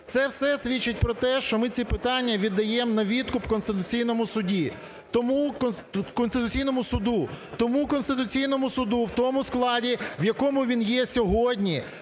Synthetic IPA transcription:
t̪sɛwsɛsʲʋʲit͡ʃːɪt̚ʲpɾɔt̪ɛʃt͡ʃɔmɪt͡sʲipɪt̪ɑnʲːɐʋʲid̪ːɐjɛmnɐʋʲid̪kʊpkɔnst̪ɪt̪ʊt͡sʲijnɔmʊsʊdʲi | t̪ɔmun | kɔnst̪ɪt̪ʊt͡sʲijnɔmʊsʊd̪ut̪ɔmukɔnst̪ɪt̪ʊt͡sʲijnɔmʊsʊd̪uwt̪ɔmʊsklˠɑdʲiwjɐkɔmʊʋʲinjɛsʲɔɦɔdʲnʲi

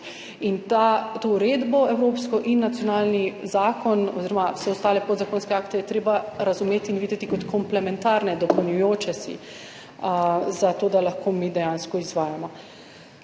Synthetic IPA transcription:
int̪at̪ouɾeːd̪bɔɛwɾoːpskɔʔinːat̪sjɔnaːlnizaːkɔnɔ̰ziɾɔmawsɛɔst̪aːlɛpod̪zakonskɛaːkt̪ɛjɛt̪ɾeːbaɾazumeːt̪iːnʋiːd̪ɛt̪ikɔt̪kɔmplɛmɛ̃nt̪aːɾnɛd̪ɔpəwnjujoːt͡ʃɛsḭ | zat̪oːd̪alaxkʰoːmiːd̪ɛjanskɔizʋaːjamɔ

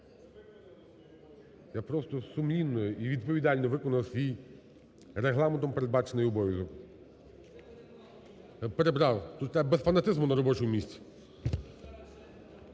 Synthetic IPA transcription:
japɾɔst̪ɔsʊmnʲinːɔjʔiʋʲid̪̚pɔʋʲid̪ɑlʲnɔʋɪkɔnɐwsʲʋʲij | ɾeɦlˠɑment̪ɔmpeɾed̪̚bɑt͡ʃenɪjɔbɔʋʲjizɔk | japeɾebɾɑwt̪ut̪t̪ɛbesfɐnɐt̪ɪzmʊnɐɾɔbɔt͡ʃʊmʊmʲisʲt͡sʲi̥

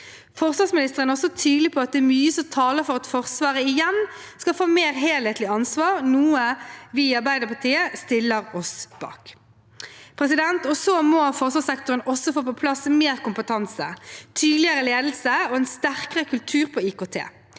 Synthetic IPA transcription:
fɔʁsʋɑsmɪnɪst̪əʁənɔsɔt̪ʰyːd̪l̩ɪpʰɔɑt̪̚d̪ɛæːɾmyːəsɔmt̪ʰɑːləɾfɔʁɑt̪fɔʁsʋɑːʁəɪjɛnskɑlfoːmeːɾɦeːlheːt̪lɪɑnsʋɑːʁnuːəʋiːɑɾbæɪd̪əɾpɑt̪ʰiːəst̪ɪlːəʁɔsb̥ɑ̰ːk | pʰɾɛsɪd̪ɛnt̪ɔsomɔfɔʁsʋɑːsɛkt̪ʊɾənɔsɔfoːpɔpʰlɑsmeːʁkʊmpət̪ʰɑnsət̪ʰyːd̪lɪəɾəleːd̪l̩səɔɛnst̪æʁkəʁəkʰʉlt̪ʰʉːʁpʰɔɪkoːt̪ʰḛː

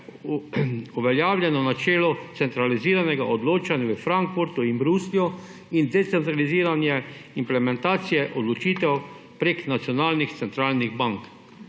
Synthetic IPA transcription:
uʋɛljaːwlʲjɛnɔnat͡ʃɛːlɔt̪sɛnt̪ɾaliziːɾanɛɡaʔod̪loːt͡ʃanjaʋəfɾaŋkfuɾt̪uimbɾuːslijɔ | ind̪ɛt̪sɛnt̪ɾaliziːɾanjɛimplɛmɛnt̪aːt̪sijɛʔɔd̪lɔt͡ʃiːt̪ɛw | pɾeːknat̪sjɔnaːlnixt̪sɛnt̪ɾaːlniɣbaŋk

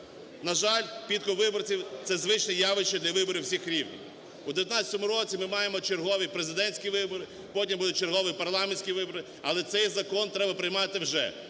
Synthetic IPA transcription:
nɐʒɑlʲpʲit̪̚kɔʋɪbɔrt͡sʲiwt̪sɛzʋɪt͡ʃnɛjɑʋɪʃt͡ʃɔd̪lʲɐʋɪbɔɾʲiwsʲixɾʲiwnʲḭw | uʊd̪eʋʲjɐt̪nɑt͡sʲɐ̥t̪ɔmʊɾɔt͡sʲimɪmɑjemɔt͡ʃerɦɔʋʲipɾezɪd̪ɛnʲsʲkʲiʋɪbɔɾɪ | pɔtʲimbud̪ʊt̚ʲt͡ʃerɦɔʋʲipɐrlˠɑmenʲsʲkʲiʋɪbɔɾɪ | ɐlˠɛt̪sɛjzɐkɔnt̪ɾɛbɐpɾɪjmɑt̪ɪwʒɛ̰

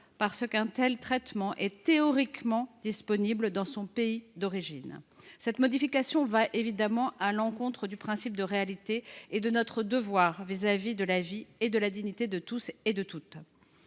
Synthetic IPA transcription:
paʁsəkɛ̃t̪ɛlt̪χɛt̪mɑ̃ʔɛt̪eɔʁikmɑ̃d̪ispɔnibld̪ɑ̃sɔ̃peid̪ɔʁiʒinsɛt̪mɔd̪ifikasjɔ̃vaʔevid̪amɑ̃ʔalɑ̃kɔ̃t̪χəd̪ypχɛ̃sip̚d̪əʁealit̪eːd̪ənɔt̪χəd̪əvwaʁvizavid̪əlavied̪əlad̪iɲit̪ed̪ət̪used̪ət̪ut̪

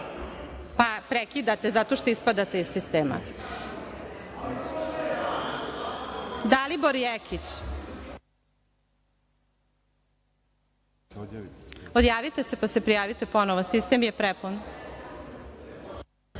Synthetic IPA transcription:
papɾekid̪at̪ezat̪oʃt̪o̞ispad̪at̪eizsist̪eːma̰ | d̪aliboɾijekʰit͡ɕ | od̪jaːʋit̪esepasepɾijaːʋit̪epo̞noʋosist̪emjepɾepun

